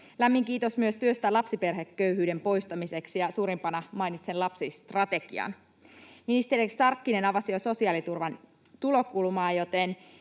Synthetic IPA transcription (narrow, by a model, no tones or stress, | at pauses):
læmːiŋkiːt̪o̞smyøst̪yøst̪ælɑpsipe̞rɦe̞kːø̞yɦyːde̞mpo̞jst̪ɑmise̞ksijɑsuːɾimpɑnɑmɑjnit̪senlɑpsist̪rɑt̪e̞kḭɑ̰n | minist̪e̞ɾiksɑrkːine̞nɑʋɑsioso̞siɑlit̪urʋɑn | t̪ulo̞kulmɑːjo̞t̪e̞n